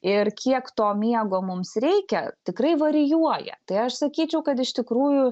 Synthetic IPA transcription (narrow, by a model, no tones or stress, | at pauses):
ɪrkʲʰiɛkt̪oːmʲiɛɡoːmʊmsɾʲɛɪkʲɛt̪ʲɪkrɐɪʋɐɾʲɪjuɔjɛ̰t̪ɐɪɐʃsɐkʲiːt͡ʃʲɛʊkɐt̪ɪʃt̪ʲɪkɾuːjʊ